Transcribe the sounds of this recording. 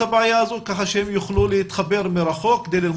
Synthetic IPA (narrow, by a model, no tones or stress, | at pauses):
abʕajaazokaχaʃemjuχlulehit̪χabe̞ɾmiɾaχo̞k̚kːed̪ejlil